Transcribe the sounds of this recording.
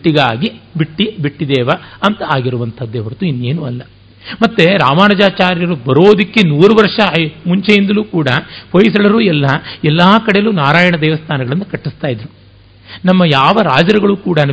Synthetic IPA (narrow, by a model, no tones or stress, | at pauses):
ʈːiɡaːɡibiʈːibiʈːid̪ɛːʋɐɐnt̪ɐaːɡiɾuʋɐnt̪ʰɐd̪ːeʋɐɾt̪uinːeːnuɐlːɐ | mɐt̪ːeɾaːmaːnɐd͡ʒaːt͡ʃaːɾjɐɾubɐɾoːd̪ikːe̞nuːɾuʋɐɾʂɐmuɲt͡ʃejind̪ɐluːkuːɽɐpʰɐjsɐɭɐɾuːɛlːɐɛlːaːkɐɽejɐluːnaːɾaːjɐɳɐd̪ɛːʋɐst̪ʰaːnɐɡɐɭɐnːɐkɐʈːist̪aːjid̪ɾu | nɐmːɐjaːʋɐɾaːd͡ʒɐɾɐɡɐɭukuːɽɐnɐ